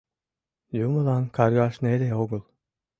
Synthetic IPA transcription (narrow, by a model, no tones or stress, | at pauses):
jumulankʰaɾɡaʃneɾeoɡulˠ